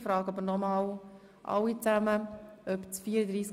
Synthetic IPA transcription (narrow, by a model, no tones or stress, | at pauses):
fɾɑːɡɑbənɔmɑːw | ʔɑ̰wit͡sæməœpt͡sfiːəɾəd̪ɾiːs